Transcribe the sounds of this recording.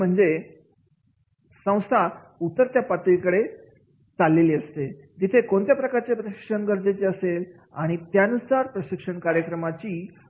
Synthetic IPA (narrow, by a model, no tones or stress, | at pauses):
m̤əɳd͡ze | sə̃w̃st̪ʰa | ut̪ːəɾt̪japat̪ɾikəɽe | t͡salːeliːəst̪e | d͡ʑ̪it̪ʰekoɳt̪japɾəkaɾt͡sepɾəɕi̥kʂəɳɡəɾd͡zet͡ɕeəsel | a̰ɽ̃it̪janusaɾpɾəɕikʂəɳkaɾjəkɾəmat͡ɕiː